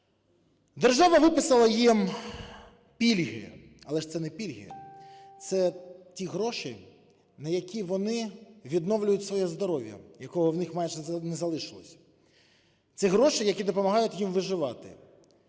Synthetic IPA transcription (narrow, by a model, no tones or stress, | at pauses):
d̪erʒɑʋɐʋɪpɪsɐlˠɐjim | pʲilʲɦɪ̰ | ɐlˠɛʃt̪sɛnɛpʲilʲɦɪ̰t̪sɛtʲiɦɾɔʃɪ | nɐjɐkʲiʋɔnɪʋʲid̪nɔʋlʲʊjʊtʲsʋɔjɛzd̪ɔɾɔʋʲjɐ̰jɐkɔɦɔwnɪxmɑjʒɛnɛzɐlˠɪʃɪlˠɔ̰sʲɐ̥ | t̪siɦɾɔʃɪjɐkʲid̪ɔpɔmɐɦɑjʊtʲjimʋɪʒɪʋɑt̪ɪ̰